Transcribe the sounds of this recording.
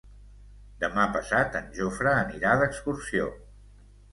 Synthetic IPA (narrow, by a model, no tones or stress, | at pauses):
d̪əmapəsat̪ənʲʒofɾəːniɾaðəkskursio̰